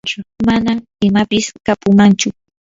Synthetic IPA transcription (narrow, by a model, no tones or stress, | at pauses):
t͡ʃʊmana | ɪmapɪskapʊmant͡ʃʊ